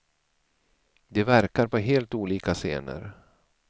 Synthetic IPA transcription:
d̪ɛvæɾkaɾpɔɦeːlt̪uːliːkasḛːnə̰ɾ

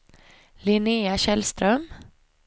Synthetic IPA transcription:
lɪneːaɕɛlst̪ɾœm

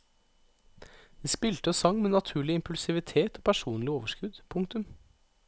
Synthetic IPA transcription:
d̪̥iːspɪlt̪əosɑŋmeːnɑt̪ʰʉːɭɪɪmpʉlsɪʋɪt̪ʰeːt̪oːpʰæʂuːnlɪoːʋəʃkʉd̪pʰʊŋt̪ʉm

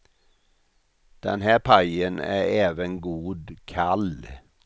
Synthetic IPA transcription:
d̪̥ɛ̰nhæːɾpʰɑɪənæːɾeːʋənɡuːd̪kʰɑl

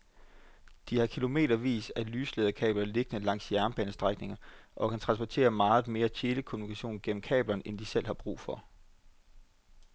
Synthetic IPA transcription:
d̥ihɑ̈kʰilo̝me̝̰ːɾ̥ɐʋḭːsælyːsleːðˠɐkʰɛ̰ːb̥lɐle̝ɡ̥ənəlɑ̈ŋ̰sjæɐnb̥ænəsd̥ʁaɡ̥̚ne̝ŋɐʔɒ̽kʰænt͡sʰʁɑ̈nsb̥ɒt͡sʰe̝̰ːɐmɑ̈ːð̞̩ˠme̝ːɐt͡ɕʰe̝ːləkʰo̝munikʰæɕo̝̰ːnɡ̥en̰m̩kʰɛ̰ːb̥lɐnʔend̥isel̰hɑ̈b̥ʁṵːfɒ̽

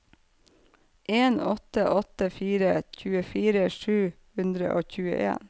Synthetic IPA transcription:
ʔeːnɔt̪əʔɔt̪əfiːɾəc͡çʉːəfiːɾəʂʉː | hʉnd̪ɾə̰ʔoːçʉːə̰ʔḛːn

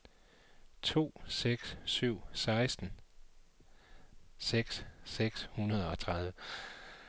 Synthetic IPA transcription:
t͡sʰo̝̰ːseɡ̥ssyʊ̰sɑ̈ɪsd̥n̩ | seɡ̥sːeɡ̥shunɐð̞ˠɒ̽t͡sʰʁɑð̞ˠʋə

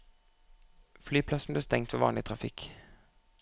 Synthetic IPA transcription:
flyːpʰlɑsn̩bliːst̪ɛŋt̪ʰʋeːʋɑ̰ːnlɪt̪ʰʁɑfɪk

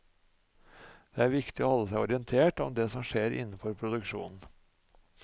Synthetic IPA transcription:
d̪̥eːæːɾʋɪkt̪ɪo̰ːhɔlːəsæɪɔɾɪənt̪ʰeːʈɔmd̪eːsɔmʂeːɾʔɪ̰n̩ːfɔɾpʰɾʊd̪ʉkʂṵːnn̩

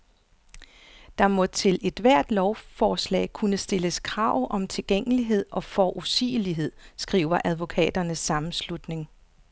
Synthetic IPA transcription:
d̥ɑ̈mɔ̽t͡sʰe̝le̝d̥ʋæɐ̰d̥lɒʊfɒːslɛ̰ːɪkʰunəsd̥e̝ləskʰʁɑ̈ːʊ̰ʔɒ̽mt͡sʰe̝lɡ̥eŋ̰əliɦe̝ð̞̰ˠɒ̽fɒʔusḭːliɦe̝ð̰ˠsɡ̥ʁḭːʊɐʔæð̞ˠʋo̝kʰɛ̰ːd̥ɐnəsːɑ̈mn̩slud̥ne̝ŋ

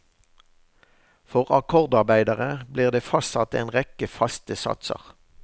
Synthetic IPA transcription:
fɔʁɑkʰɔʁd̪ɑʁbæɪd̪əʁəbliːʁd̪eːfɑsɑt̪eːnʁɛkəfɑst̪əsɑ̰t̪sə̰ʁ

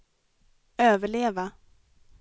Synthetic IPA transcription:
øːvəɭeːva

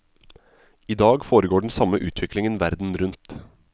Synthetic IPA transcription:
iːd̪ɑːɡfoːɾəɡoːɖɳ̩sɑməʔʉːt̪ʰʋɪklɪŋənʋæɾd̪n̩ɾʉnt̪

